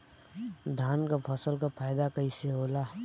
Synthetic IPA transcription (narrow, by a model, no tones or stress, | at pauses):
d̪ʱaːnkapʰəsəlkapʰaːjd̪akəiseɦoːla